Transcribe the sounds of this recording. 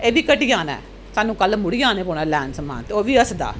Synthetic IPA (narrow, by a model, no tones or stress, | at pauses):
eʋikːɐʈːijaːnɐ̰ | tɐnːũkɐlːɐmʊɽɪjaːnepoːnalaːnsɐma̰ːt̪oʋiɐsɐd̪a̰ː